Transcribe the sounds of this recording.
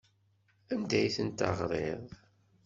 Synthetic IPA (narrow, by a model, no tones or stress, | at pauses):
ænd̪æjθənt̪ɑ̰ʁɾˤeðˤ